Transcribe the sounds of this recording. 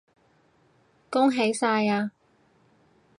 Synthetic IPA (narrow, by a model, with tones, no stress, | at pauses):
kʊ˥ŋɦe˨˥jsaː˧jaː˧